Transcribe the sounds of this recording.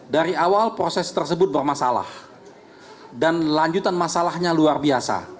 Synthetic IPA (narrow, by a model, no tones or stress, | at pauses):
daɾiawalpɾosɛst̪ərsəbʊt̪̚bərmasala̰h | danlaɲd͡ʒut̪anmasalahɲaluarbiasa̰